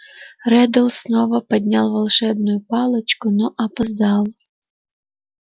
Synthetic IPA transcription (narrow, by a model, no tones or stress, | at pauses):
rɛd̪əlˠsnovəpɐd̪ʲnʲɑlˠvɐlˠʂɛbnʊjʊpɑlˠət͡ɕkʊnoʔɐpɐzd̪ɑlˠ